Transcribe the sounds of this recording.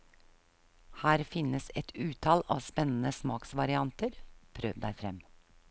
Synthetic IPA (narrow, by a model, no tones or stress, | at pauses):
hæːɾfɪnəsɛt̪ʰʉːt̪ʰɑlɑ̰ːʋspɛnn̩əsmɑːksʋɑɾɪɑnt̪əɾpʰɾøːʋd̪æɪfɾɛm